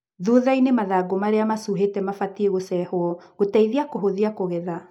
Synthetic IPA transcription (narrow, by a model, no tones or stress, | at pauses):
ðuðainemaðaːɡomaɾeamasuɦetɛmafatieɣosɛhoɔɣotaiðiakoɦoðiakoɣɛða